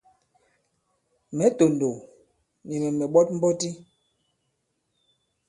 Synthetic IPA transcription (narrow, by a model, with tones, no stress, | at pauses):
mɛ˨˦to˨ndo˨ | ni˨mɛ˨mɛ˨ɓɔ˦t̚m̩˦bɔ˦ti˦